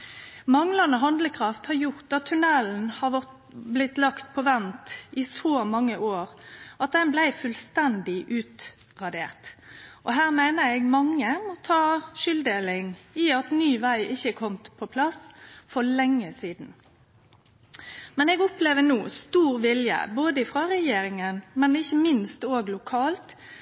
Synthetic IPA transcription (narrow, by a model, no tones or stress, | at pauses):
mɑŋlɑnəɦɑnd̪ləkʰɾɑft̪hɑɾjʊʁt̪ɑt̪ʰːʉnɛln̩hɑʋɔt | blɪt̪lɑkt̪pʰɔʋɛnt̪ɪsoːmɑŋːəʔoːʁʔɑt̪̚d̪ɛnblæɪfʉlst̪ɛnd̪ɪʔʉːt̪ | ʁɑd̪eːʁt̪ʔɔɦæːʁmæɪnəɾɛɡmɑŋːəmɔt̪ʰɑːʃʏld̪eːlɪŋɪɑt̪nyːʋæɪʔɪçːəkʰɔmt̪pʰɔpʰlɑsfɔlɛŋːəsiːd̪n̩ | mɛnɛɡɔpleːʋənuːst̪uːʁʋɪljə̰boːd̪əɪfʁɑɾɛjeːɾɪŋənmɛnɪçːəmɪnst̪oːɡlʊkʰɑːlt̪